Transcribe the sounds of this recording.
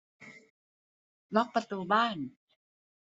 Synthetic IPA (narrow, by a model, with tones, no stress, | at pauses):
lɔ˦˥k̚pɾa˧t̪uː˧baː˥˩n